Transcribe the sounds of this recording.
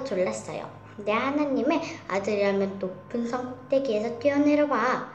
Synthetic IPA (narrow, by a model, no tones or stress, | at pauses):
t͡ɕoɭːas͈ʌ̰jo̰ | ne̞ɦanaɲːime̞a̰dɯɾiɦamjʌnːopʰːɯnsʰʌŋt̪͈e̞ɡiesʰʌt̪iʌneɾʌba